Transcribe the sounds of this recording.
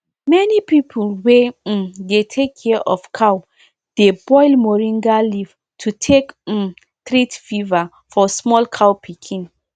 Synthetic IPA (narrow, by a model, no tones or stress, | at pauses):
mɛnipipʰulwedetʰekʰːɛʔɔfkʰaw | d̥ebɔjlmɔɹĩŋɡaliv̥ | tʰutʰek̩ | tɹitfiva | fɔsmɔlkʰawpʰikʰĩn